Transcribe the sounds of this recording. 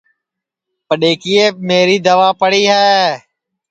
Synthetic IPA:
pəɗeːkiːeːmeːɾiːd̪əʋaːpəɽiːɦɛː

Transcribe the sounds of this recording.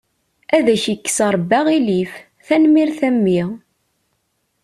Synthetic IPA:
æðæçikːə̥səɾˤbːæʁilif | θænmiɾθæmːi

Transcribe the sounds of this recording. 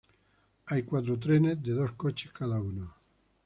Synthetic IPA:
ajkwat̪̬ɾot̪̬ɾenezd̪eðoskot͡ʃe̥skaðauno

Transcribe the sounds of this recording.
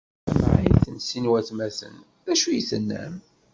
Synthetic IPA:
æm̰ʕiθənsinwæθmæθə̰n | ðæʃujiθənːæ̰m

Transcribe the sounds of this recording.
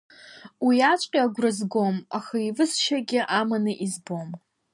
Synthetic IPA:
wiat͡ʃʷʼqʲʼiaɡʷrɨzɡo̞maxaivɨsʃaɡʲɪʔamanɨʔizbo̞m

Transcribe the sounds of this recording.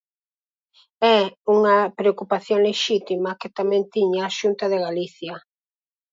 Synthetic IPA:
ɛuŋɐpɾeokupaθjoŋleʃit̪imɐkɪt̪amɛ̃nt̪iɲaːʃunt̪ɐðeɣaliθjɐ

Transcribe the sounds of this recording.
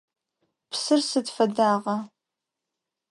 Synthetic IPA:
pʰsɨrsɨdfɐdaːʁɐ

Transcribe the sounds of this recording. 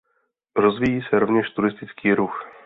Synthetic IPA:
ɾozvijiːsɛɾo̞vɲɛʃt̪uɾɪst̪ɪt͡skiːɾux

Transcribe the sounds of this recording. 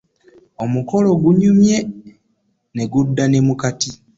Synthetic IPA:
o̞muko̞lo̞ɡuɲumje̞ | ne̞ɡudːane̞mukati

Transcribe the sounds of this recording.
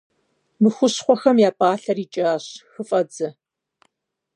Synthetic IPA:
mɨxʷʊɕχʷɔxɐmjaːpʼaːɬɐriːt͡ʃʼaːɕxɨfʼɐd͡zɐ

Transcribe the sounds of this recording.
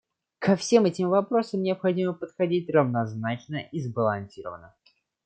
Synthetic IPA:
kɐfsʲe̞mɛtʲɪmvɐpɾo̞səmnʲɪɐpxɐdʲiməpət̪xɐdʲit̚ʲrəvnɐznat͡ɕnəizbəlˠɐnʲsʲiɾə̰vənə̰

